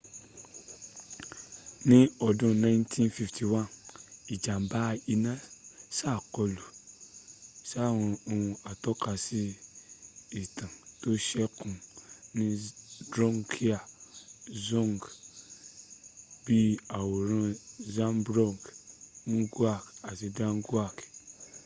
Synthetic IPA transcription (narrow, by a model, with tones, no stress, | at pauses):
nĩ˦ɔ˨dɔ̃˦nã˦jntʰĩ˦nfi˧fti˨wã˦˨ni˨d͡ʒa˨m˨ba˦˧i˧nã˦sa˦˨kɔ˧lu˨ | sw̃ɔ̃˧o˧wũ˧a˨tɔ˦ka˧si˦ | i˨tã˨to˦ʃɛ˦kũ˨nĩ˦dɾɔ˦ŋkʰi˦a˨ | zɔ̃˦˨ŋɡ | bi˦a˨wo˨ɾã˦zã˦mbɾɔ˦˨ŋɡn̩˦ɡu˦a˦˨ka˨si˧dã˦n̩˦ɡu˦a˦˨k